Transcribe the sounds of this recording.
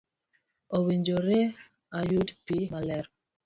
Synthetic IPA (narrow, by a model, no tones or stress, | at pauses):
owiɲd͡ʒoɾe | ajudpimalɛɾ